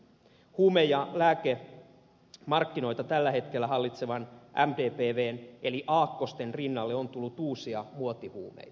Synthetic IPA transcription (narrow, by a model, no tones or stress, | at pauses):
huːmejjɑlæːke | mɑrkːino̞jt̪ɑt̪ælːæhe̞t̪kelːæɦɑlːit̪se̞ʋɑnʔæ̰mt̪eːpeːʋeːneliʔɑːkːo̞st̪e̞nrinːɑlːeont̪ulːut̪uːsiɑmuot̪ihṵːmḛj̪ɑ